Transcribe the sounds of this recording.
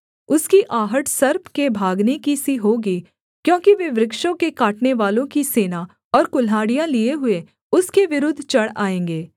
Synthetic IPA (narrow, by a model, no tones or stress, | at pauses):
ʊskiʔaːɦəʈsɐɾpkebʱaːɡnekisiɦoːɡiː | kjõːkiʋɪʋɾɪkʃõkekaːʈneʋaːlõkiseːna | ɔːɾkʊlaːɽijãlieɦʊe | ʊskeʋɪɾʊd̪ʱːt͡ʃɐɽa̰ːẽːŋɡeː